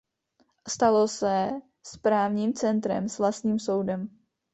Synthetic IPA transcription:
st̪alosɛ | spɾaːvɲiːmt͡sɛnt̪ɾɛ̰msvlast̪ɲiːmso̞wdɛm

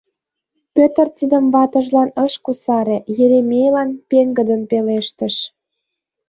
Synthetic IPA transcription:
pʲøt̪ə̆rt̪ʲid̪ə̆mβɑt̪ə̆ʒlɑnəʃkusɑɾejeɾemʲejlɑnpeŋɡə̆d̪ənpeleʃt̪ə̆ʃ

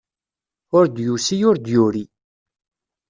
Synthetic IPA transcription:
ʊɾd̪jusijʊɾd̪jʊɾi

